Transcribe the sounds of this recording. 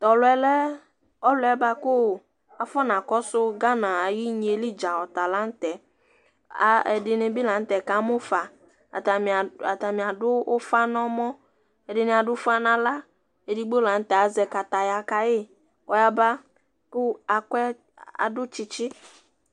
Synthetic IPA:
t̪ɔ˨lʊ˨˦ɛ˦lɛ˦ | ɔ˦lʊ˨ɛ˦ba˦kʊ˦˨ | a˨fɔ˦nã˨kɔ˦sʊ˦ɡa˦nã˨a˨ji˦ɲ˨e˨li˦d͡ʒa˨ɔ˨t̪a˨la˦n̩˦t̪ɛ˨˦ | ɛ̰˨dɪ˨ne˨bi˦la˨n̩˦t̪ɛ˨ka˨˦mʊ˦fa˨ | ta˨a˨t̪a˨mĩ˨a˨dʊ˦fa˦nɔ̃˦mɔ̃˦ | ɛ˨dɪ˨nẽ˨a˨dʊ˦fa˦nã˨la˦ | e˨di˦ɡ͡bo˦la˨n̩˦t̪ɛ˨a˨zɛ˨ka˨t̪a˨ja˨ka˨jɪ˦ | kɔ˨ja˦ba˦ | kʊ˦a˨kɛ˦ | a̰˨dʊ˦t͡ʃɪ˦t͡ʃɪ˦

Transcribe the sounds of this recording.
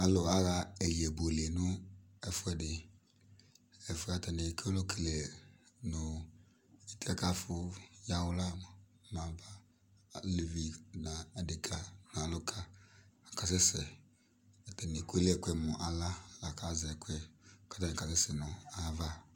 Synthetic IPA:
a˨lʊ˨a˦ɣa˧ɛ˨li˨ɛ˨bo˨le˨nʊ˦ | ɛ˨fʊ˦ɛ˨dɪ˨ | ɛ˨fʊ˦˨a˨tɛ˨ne˨kʰɛ˦lo˦ki˨le˨nʊ˨ | i˦tʰi˦a˦ka˦fʊ˦ja˦wʊ˦la˦˨˦ | mã˨ba˦˨ | li˨vi˨na˨ɛ˨dɪ˨kʰa˨n˨a˨lʊ˦kʰa˦a˨ka˨s̬ɛ˦sɛ˨ | a˨tɛ˨nɪ˨kʷe˦le˦ɛ˨kwɛ˦mɔ˨ʔa˨la˦la˨ka˨˦zɛ˨kwɛ˦ka˦ta˦nĩ˨ka˨sɛ˦sɛ˨nʊ˨a˨˦va˦

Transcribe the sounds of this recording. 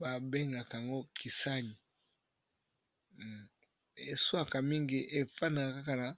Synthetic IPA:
ba˨be˦ŋɡa˨ka˨a˨ŋɡo˦kʰi˨sa˦ɲi˨ | e˨swa˦ka˨mi˦ŋɡi˦ʔe˨fa˦na˨ka˨ka˦ka˨na˨

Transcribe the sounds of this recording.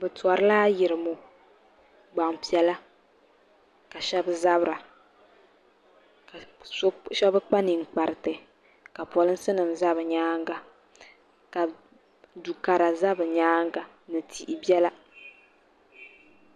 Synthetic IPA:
bɛ˨ta˨ɾɨ˦laː˦jɪ˨ɾɨ˨mo˨ | ɡ͡ba˨ŋpi˦ɛ˨la˦ | ka˨ʃɛ˦bɨ˦za˦bɾa˨˦ | ʃɛ˦bɨ˦k͡pa˦ni˨ŋ͡m̩˨k͡pa˨ɾɨ˨tɨ˨ | ka˨pɔ˨lɨ˦n̩˦sɨ˦nɨ˨mza˦βɨ˨ɲaː˦ŋɡa˨ | ka˨ | du˨ka˨ɾa˨za˦bɨ˨ɲaː˦ŋɡa˨ | nɨ˨tʰi˨ʔi˨bjɛ˦la˦

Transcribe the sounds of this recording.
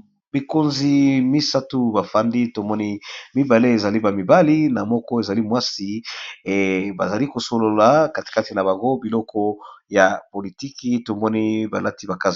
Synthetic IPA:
bi˨ko˦nzi˨mi˦sa˦tu˦ba˨fa˦ndi˦to˨mɔ˦ni˦mi˦ba˨le˦e˨za˨li˦ba˨mi˨ba˦li˦na˨mɔ˦kɔ˦e˨za˨li˦mwa˦si˦˨ | ba˨za˨li˦ko˨so˨lo˨la˨ka˨ti̥˨ka˦ti˨na˨ba˨ŋɡo˦bi˨lɔ˦kɔ˦ja˨po˨li˨ti˦ki˦to˨mɔ˦ni˦ba˨la˦ti˦ba˨ka˦z

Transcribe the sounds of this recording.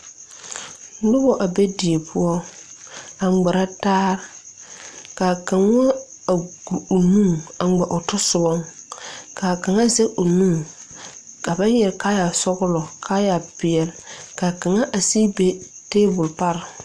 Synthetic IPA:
nʊ˦bɔ˦ʔa˨be˦di˨e˨pʰʊ˦ɔ˦ | a˨ŋ͡mɡ͡ba˨ɾa˦taː˦ɾ | ka˨ka˨ŋ˦a˦ | a˨ɡu˨u˨nũ˦˨a˨ɡ͡ba˨ʔʊ˨tʊ˦sʊ˨bɔ˦ŋ | ka˨ka˨ŋa˦zɛ˦ʊ˨nũ˦˨ | ka˨ba˦jɛ˨ɾka˦ja˨sɔ˦ɣʊ˦lɔ˨kʰa˦ja˨pɪ˨ɛ˨lka˨ka˨ŋa˦ʔa˨siː˦be˦teː˦bʊ˨lpa˦ɾɪ˨

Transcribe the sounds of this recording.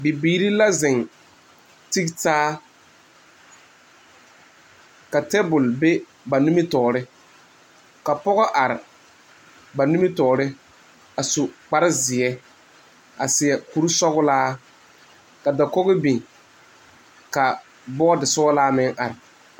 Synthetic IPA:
bi˨biː˨ɾi˦la˦zɪ˨ŋ | ti˦ktaː˦ | ka˨tɛ˦bʊ˨lbe˦ | ba˨nu˦mɪ˦tɔː˨ɾɪ˦ | ka˨pɔ˦ɣɔ˦ʔa˨ɾɪ˨ | ba˨nu˦mɪ˦tɔː˨ɾɪ˦ | a˨sʊ˨k͡pa˦ɾɪ˦zɪ˨ɛ˦ | a˨sɪ˨ɛ˨ku˦ɾu˦sɔ˦ɣʊ˦laː˦ | ka˨da˨kɔ˦ɣɪ˦bi˨ŋ | ka˨ | bɔ˦dɪ˨sɔ˦laː˦mɪ˦ŋʔa˨ɾɪ˨

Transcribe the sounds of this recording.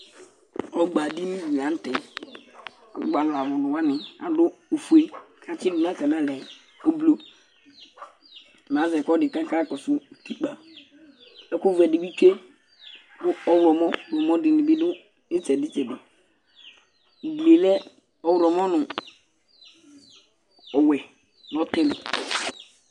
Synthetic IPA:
ɔ˦ɡ͡ba˨di˦nĩ˦i˨lã˨˦n̩˦tɛ˨ | ɔ̰˨˦ɡ͡ba˨la˨wʊ˨nʊ˨wa˦nɪ̃˨a̰˨dʊ˦o˨fu˨e˦kʰã˨t͡ʃɪ˦nu˨nã˦tɛ˨nã˦lɛ˨ | o˦blo˦˨ | m˨ã˨˦zɛ˨kɔ˦dɪ˨kã˦ka˦kɔ˨sʊ˦˨tu˦k͡pa˨ | ɛ˦ko˦vɛ˨di˨bi˦t͡ʃe˦ | dʊ˦ɔ˦wɾɔ˨mɔ̃˦˨ɔ˨mɔ˦dɪ˨ni˨bi˦dʊ˦ | ɪ˦t͡sɛ˨dɪ˦t͡ʃɛ˨dʊ˨ | ble˨lɛ˦ | ɔ˦wɾɔ˨mɔ˦nʊ˨ | ɔ˨wɛ˨ | n˨ɔ˦tɪ˦lɪ˨

